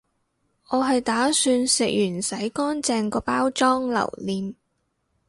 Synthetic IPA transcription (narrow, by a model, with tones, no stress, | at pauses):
ʔɔː˨˧ɦɐ˨jt̪aː˨˥syː˧nsɪ˨k̚jyː˨˩nsɐ˨˥jkɔː˥nt͡sɛː˧ŋkɔː˧paː˥wt͡ʃɔː˥ŋlɐ̰˨˩wliː˨˧n